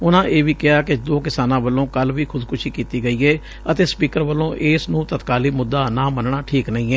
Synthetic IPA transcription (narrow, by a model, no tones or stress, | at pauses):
ʊnãːʔeːʋiːkɪaːkɪd̪oːkɪsaːnãːʋəlːõːkəlʋiːkʰʊd̪kʊʃʰiːkiːt̪iːɡəiːɛː | ət̪eːspiːkəɾʋəlːõːʔɪːsnũːt̪ət̪kaːliːmʊd̪ːaːnaːmənɳaːʈʰiːknəĩːɛː